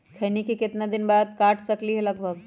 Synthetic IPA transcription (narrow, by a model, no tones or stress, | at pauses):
kʰɐːnikikɪt̪nad̪ɪnbaːd̪̚kaːʈʰsɐkliɦɛlɐɡ̚bʱəɡ